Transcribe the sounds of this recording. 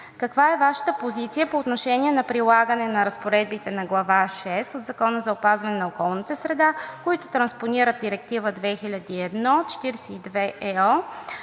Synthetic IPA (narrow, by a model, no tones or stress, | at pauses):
kɐkvaɛvaʃə̥t̪əpozit̪sijəpoːt̪noʃɛniɛnɐpɾilˠaɡənɛnɐɾəspoɾɛd̪̚bit̪ɛnɐɡlˠɐvaʃɛst̪od̪zɐkɔnəzɐopazvɐnɛnɐokɔlˠnit̪əsɾɛd̪akoit̪ʊt̪ɾɐnsponiɾət̪̚ːiɾɛk̚t̪ivəd̪vɛxilʲɐd̪iɛd̪nɔt͡ʃɛ̥t̪iɾsɛid̪vɛʔɛɔ